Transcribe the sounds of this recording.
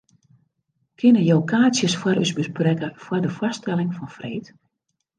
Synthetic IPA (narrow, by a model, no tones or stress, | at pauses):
kʰɪnəjowkʰaːsjəsfwaɾysbəsprɛkəfwɔrdəfɔstɛlɪŋfɔnfrḛːt